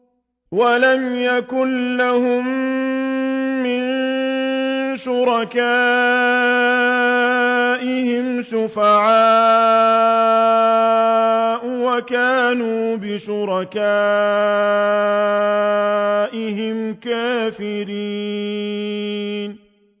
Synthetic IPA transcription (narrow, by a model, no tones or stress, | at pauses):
walamjakʊnlahʊm | ɪn | ʃʊɾɑkaː | ʔɪhɪmʃʊfaʕaː | ʔwakaːnuːbɪʃʊɾˤɑkaː | ʔɪɦɪmkaːfɪɾiː | n